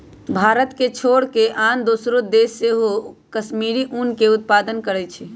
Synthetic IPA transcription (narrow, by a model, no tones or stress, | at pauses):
bʱaɾət̪ket͡ʃʰoɽkeʔand̪osɾod̪esːeɦokəsmiɾiʔunkeut̪̚pad̪ənkəɾɛt͡ʃʰɛ